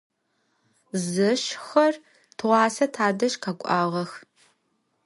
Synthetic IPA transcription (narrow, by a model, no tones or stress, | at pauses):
zɨʃxɐr | tʰʁʷɑːsɐtʰaːdɐʃqʰakʷʼɑːʁɐx